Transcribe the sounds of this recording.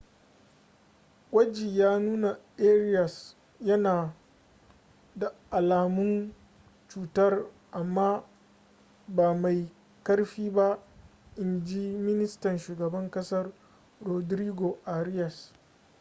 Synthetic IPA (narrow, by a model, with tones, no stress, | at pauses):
wɐ˦d͡ʒi˨jaː˦nuː˦na˨ʔeː˦ɾɪ˦jɐ˨s | jɐ˦naː˨ | da˨ʔa˨laː˨mʊ˦n | t͡ʃuː˨tɐ˦r | ʔa˨mːaː˦ | baː˨ma˨j | kɐ˦rɸiː˦ba˦ʔɪ˨nd͡ʒi˦mɪ˦nɪ˦stɐ˨nʃuː˨ɡɐ˨bɐ˦ŋkɐ˦sɐ˦r | ɾo˨dɾiː˦ɡo˨ʔa˨ɾɪ˦jɐ˨s